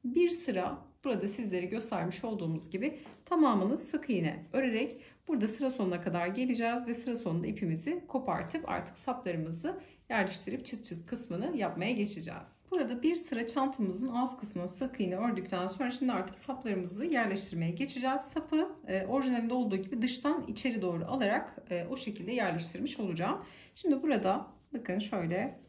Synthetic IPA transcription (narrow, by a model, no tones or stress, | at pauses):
biɾsɯɾa̰b̥uɾad̪asizlʲe̞ɾiɟø̞st̪ʰæɾmiʃo̞lˠd̪uːmuzɟibɪt̪ʰamaːmɯnˠɯsakʰɯjɯnɛ̰ø̞ɾeɾɛc | b̥uɾd̪asɯɾaso̞nunakʰad̪aɾɟe̞lʲid͡ʒɛːzvɛsɯɾasonund̪aipʰimizɪkʰo̞pʰa̰ɾt̪ʰɯpa̰ɾt̪ʰɯ̥ksaplˠaɾɯmɯzɯ | jæɾlʲeʃt̪ʰiɾip̚t͡ʃʰɯkt͡ʃʰɯkkʰːɯsmɯnɯjapmajaɟe̞t͡ʃʰid͡ʒɛ̰ːz̥b̥uɾad̪abiɾsɯɾat͡ʃʰant̪ʰɯmɯzɯnazkʰɯsmɯnsakʰɯjɯnɯø̞ɾd̪yc̚ʲt̪ʰænso̞nɾaʃimd̪iaɾt̪ʰɯ̥ksaplˠaɾɯmɯzɯjæɾlʲɛʃt̪ʰiɾme̞jɛɟe̞t͡ʃʰid͡ʒɛːz̥sapʰɯʔo̞ɾiʒinelʲind̪ɛolˠd̪uːɟibid̪ɯʃt̪ʰanḭt͡ʃʰe̞ɾid̪o̞ːɾṵʔalˠaɾakːoʃe̞cʰilʲd̪ɛjæɾlʲɛʃt̪ʰiɾmiʃo̞lˠud͡ʒaːm | ʃimd̪ibuɾad̪a | bakɯnʃø̞jlʲɛ